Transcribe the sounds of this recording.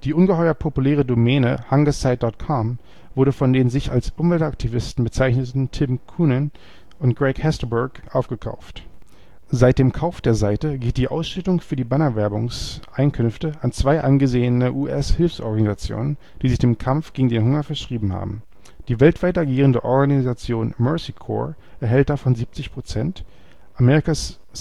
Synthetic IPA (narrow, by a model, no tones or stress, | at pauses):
d̥iːʔʊnɡəhɔʏɐpʰopulɛːʁ̞ədomɛːnəhaŋɡəsaɪt̚d̥ɔɐtkʰɔm | vʊɐɾəfɔndeːnzɪça̰lsʔʊmvɛltʔak̚tʰivɪstn̩bət͡saɪçnətn̩tʰɪmkʰuːnən | ʔʊntɡ̥ʁɛɪkhɛstəbɛkʔaʊfɡ̥əkʰa̰ʊft | z̥aɪt̚d̥eːmkʰaʊfd̥eːɐzaɪtəɡeːlt̚d̥iːʔa̰ʊsʃʏtʊŋfyːɐdiːbanɐvɛɐbʊŋsʔaɪnkʰʏnftəʔant͡sv̥aɪʔanɡəzeːənəʔuːʔɛshɪlfsʔɔ̰ɐɡanizat͡sjo̰ːnən | d̥iːzɪçd̥eːmkʰamfɡ̥eːɡŋ̩deːnɦʊŋɐfɛɐʃʁ̥iːbm̩ha̰ːbm̩ | d̥iːvɛltv̥aɪtaɡiːʁəndəʔɔɐɡaniizat͡sjoːnmœɐsikʰɔ̰ː | ʔɛɐɦɛlt̚d̥afɔnziːp̚t͡sɪçpʁ̥ot͡sɛnt | ʔamɛːʁɪkas